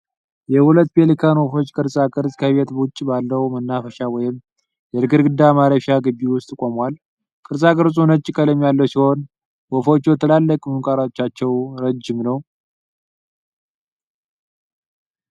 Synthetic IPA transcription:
jɛhulət̪ːbe̞likʰanwɔfo̞t͡ʃːkʼɨɾsʼakʼɨɾzʼkʰəβe̞t̪bwʊt͡ʃʼːbalːəhmənːafəʃawɔjɪm | jɛɾɨɡɨɾɡɨd̪ːamaɾəfjaɡɨbːiwʊst̪ʼkʼomwal | kʼɨɾsʼakʼɨɾzʼunət͡ʃʼːkʼələmjalːəwsiho̞n | wɔfo̞t͡ʃːjɛt̪ʰəlalːəkʼmɨnkʼaɾat͡ʃːat͡ʃːɛwɾəd͡ʒːɪmnəw

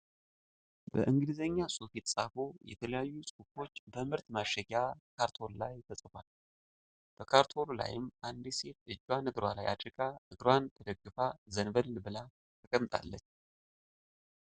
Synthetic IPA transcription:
bə̰ʔɨŋɡɨlɨzəɲːasʼufit̪sʼafo̞jɛ̰t̪ʰələjajːusʼufo̞t͡ʃːbəmɨɾt̪maʃːəɡakʰaɾt̪ʰo̞llajt̪ʰəsʼɨfʷal | b̥əkʰaɾt̪ʰo̞lla̰jɪmʔand̪iset̪ɨd͡ʒːwanɨɡɾwala̰jʔa̰d̪ʼɾɨkʼaʔɨɡɾwant̪ʰəd̪əɡːɨfazənbəɾlɨbɨla | t̪ʰəkʼəmːt̪ʼa̰lːət͡ʃː

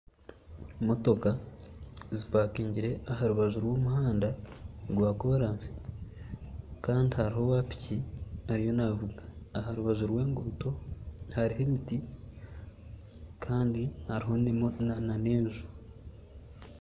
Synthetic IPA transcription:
mo̞to̞ka | zipaːkiːɲɟiɾe̞ahaɾuβazuɾwoːmuhaːndaɡwaːko̞ːɾaːnsi̥ | kaːndihaɾiɦo̞waːpi̥ciaɾijo̞navuɡaːhaɾuβaʒuɾwe̞ːŋɡuːto̞haɾihemiti | kʰaːndihaɾiɦo̞nmoanane̞ːnʒu̥

